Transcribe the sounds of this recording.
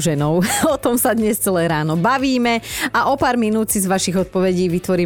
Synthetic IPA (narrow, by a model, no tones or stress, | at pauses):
ʒɛnɔʊɔt̪ɔmsad̪ɲɛst͡sɛlɛːɾaːnɔbaʋiːmɛaʔɔpaːɾminuːt͡sizʋaʃiɣɔt̪̚pɔʋɛɟiːʋit̪ʋɔɾiː